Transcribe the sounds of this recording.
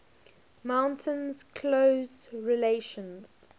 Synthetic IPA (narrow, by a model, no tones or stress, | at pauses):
mãʊ̃ntʰə̃nz̥kʰloʊzɹɪleɪʃə̃nz̥